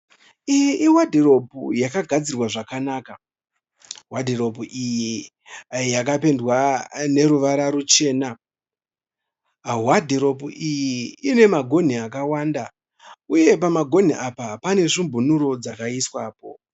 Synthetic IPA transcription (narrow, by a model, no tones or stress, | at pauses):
ijʔiwadʱeɾo̞pujakaɡʱad͡zirwaʐakanaːka | wadʱeɾo̞puʔiji | jakape̞ndwane̞ɾuʋaɾaɾut͡ʃe̞ːna | ɦwadʱeɾo̞puʔijiine̞maɡʱo̞n̤iakawaːnda | uje̞pamaɡʱo̞n̤iʔapapane̞ʐimbʱunuɾo̞d͡zakaiswaːpo̞̰